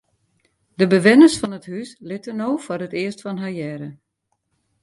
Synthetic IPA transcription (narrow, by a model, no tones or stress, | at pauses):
dəbəʋɪnəsfɔnəthyslɪtənowfʊrətɪəstfɔnɦajɛɾə